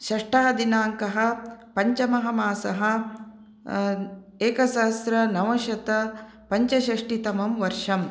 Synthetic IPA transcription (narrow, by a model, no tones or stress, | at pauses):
ʃɐʂʈaːd̪inaːŋkɐɦɐ̆pɐɲt͡ʃɐmɐɦɐmaːsɐɦɐ̆ | eːkɐsaːst̪ɾɐnɐʋɐʃɐt̪ɐ | pɐɲt͡ʃɐʃɐʂʈit̪ɐmɐmʋɐɾʂɐm